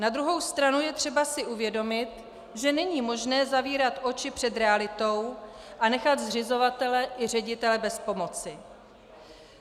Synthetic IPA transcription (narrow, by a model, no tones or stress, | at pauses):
nad̪ɾuɦo̞wst̪ɾanujɛt̪r̥ɛbasɪʔuvjɛdo̞mɪt̪ | ʒɛnɛɲiːmo̞ʒnɛːzaviːɾat̪ʔo̞t͡ʃɪpr̝̥ɛd̪ɾɛalɪt̪o̞wʔanɛxat̪zrɪzo̞vat̪ɛlɛʔɪr̝ɛɟɪt̪ɛlɛbɛspo̞mo̞t͡sɪ